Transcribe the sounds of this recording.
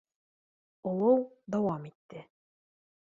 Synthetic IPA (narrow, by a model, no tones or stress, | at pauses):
ŏlˠɤwd̪ɑwɑmit̪ːɘ